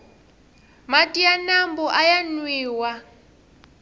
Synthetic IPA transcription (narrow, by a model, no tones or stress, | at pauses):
matʼianambɔʔajanwiːwa